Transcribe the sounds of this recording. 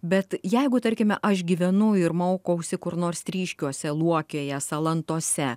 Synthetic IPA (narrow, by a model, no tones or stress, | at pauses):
bʲɛt̪jɛɪɡʊt̪ɐɾʲkʲɪmʲɛʔɐʃɡʲiːʋʲɛnʊɪɾmoːkɐʊsʲɪkʊɾnoːrst̪ʲɾʲiːʃʲkʲuɔsʲɛlˠuɔkʲoːjɛsɐlˠɐnt̪uɔsʲɛ